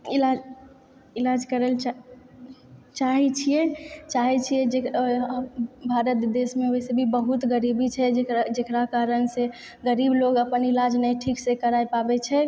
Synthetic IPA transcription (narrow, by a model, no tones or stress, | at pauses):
ilad͡ʒ | ilad͡ʒkəɾəlt͡ʃa | t͡ʃaɦit͡ʃʰijɛt͡ʃaɦit͡ʃʰijɛd͡ʒe | bʱaɾət̪d̪esmeoɦsebʱibəɦut̪ɡəɾibit͡ʃʰɛd͡ʒd͡ʒekɾakaɾənse | ɡəɾibloɡəpənilad͡ʒnəjʈʰiksekəɾajpabɛt͡ʃʰɛ